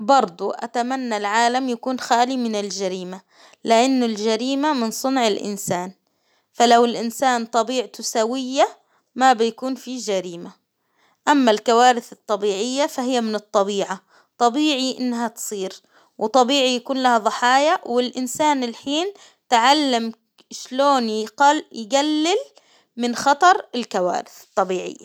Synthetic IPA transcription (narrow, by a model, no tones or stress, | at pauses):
bɑɾˤd̪ˤuʔa̰t̪amanːalʕaːlamjakuːnxaːlimɪnɪld͡ʒaɾiːma | lɪʔanːʊld͡ʒaɾiːmamɪnsˤʊnʕɪlʔɪ̰nsaːn | falawɪlʔɪnsaːnt̪ˤɑbiːʕt̪ʊsawɪjːa | mabɪjakuːnfid͡ʒaɾiːma | ʔamːalkawaːɾɪθɨt̪ˤːɑbiːʕɪjːafaɦɪjːamɪnɨt̪ˤːɑbiːʕa | t̪ˤɑbiːʕiʔɪ̰nːɦat̪sˤiːɾ | wt̪ˤːɑbiːʕijakuːnlahaðˤɨħɑːjawɪlʔɪnsaːnɪlħiːn | t̪ʕalːam | ʃloːnjjɡalːɪl | mɪnxɑt̪ˤɑɾˤɪlkawa̰ːɾɪθɨ̥t̪ˤːɑbiːʕɪ̰jːa